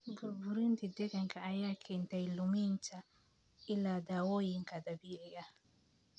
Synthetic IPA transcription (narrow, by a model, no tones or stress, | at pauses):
buɾbuɾintidɛkaŋkaːjakʰɛntailumint͡ʃa | iladawojiŋkadabiɛɡa